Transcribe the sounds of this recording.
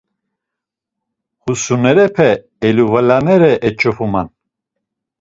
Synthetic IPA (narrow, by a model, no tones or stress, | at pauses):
χusunɛɾɛpʰɛ | ɛluvalanɛɾɛʔɛt͡ʃʼɔfuman